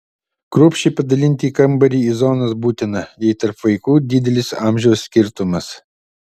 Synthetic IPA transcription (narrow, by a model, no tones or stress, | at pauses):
kɾuːpʲʃʲt͡ʃʲɛɪpɐd̪ɐlʲɪnʲt̪ʲiːkɐmbɐɾʲiːizɔnɐsbuːt̪ʲɪnɐjɛɪt̪ɐɾpʋɐɪkuːd̪ʲɪd̪ʲɛlʲɪsɑːmʲʒʲɛʊsːʲkʲɪɾt̪ʊmɐs